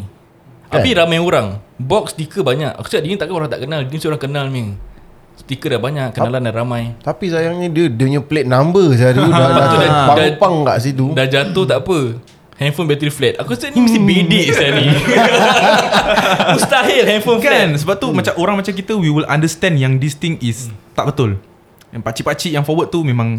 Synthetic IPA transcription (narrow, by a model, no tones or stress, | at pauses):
t̪apiɾamãjoɾaŋbɔk̚st̪ikəbaɲaka̰ku̥skaʔdinĩt̪aʔkanoɾaŋt̪a̰ʔkənaldinisoɾaŋkənalmi | st̪ikədabaɲakkːənalandanramãjt̪apisajaŋɲĩdiədəɲəplet̪̚nambəs̬adaaat̪udaadaaŋka̰ʔsit̪udad͡ʒat̪oht̪aʔpə | hɛ̃nfonbɛt̪ɾiflɛt̪akust̪ənĩməst̪ibediʔsanĩ | ust̪aɦɪlhɛnfonfknsəbap̚t̪umat͡ʃamʔoɾaŋmat͡ʃamkit̪əwiwila̰ndəst̪ɛ̃njaŋdist̪iŋist̪aʔbət̪ʊl | pat͡ʃipat͡ʃiʔjaŋfɔwəd̪̚t̪umẽmãŋ